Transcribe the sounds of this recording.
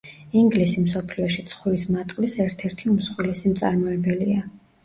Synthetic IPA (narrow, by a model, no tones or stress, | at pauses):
iŋɡlisimsɔpʰliɔʃit̪sʰχwlismat̪ʼqʼlisɛɾt̪ʰɛɾt̪ʰiumsχwilɛsimt̪sʼa̰ɾmɔɛbɛlia